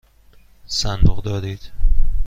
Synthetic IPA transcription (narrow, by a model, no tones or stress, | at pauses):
sænd̪oʁd̪ɒːd̪iːd̪̥